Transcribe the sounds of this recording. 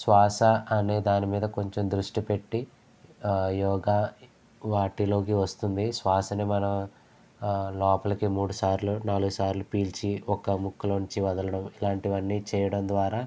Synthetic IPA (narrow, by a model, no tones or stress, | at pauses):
sʋaːsɐɐne̞ːd̪aːnimiːd̪ɐko̞ɲt͡ʃe̞md̪ɾuʂʈipe̞ʈːi | jɔːɡaː | ʋaːʈilo̞ːk̬iʋɐst̪und̪isʋaːsɐnemɐnɐ | lɔːpɐlɐkimuːɽusaːɾlunaːluɡusaːɾlupiːlt͡ʃiɔkɐmukʰːulɐɲt͡ʃiʋɐd̪ɐlɐɽɐmilaːɳʈiʋɐnːiːt͡ʃɛːjɐɽɐmd̪ʋaːɾaː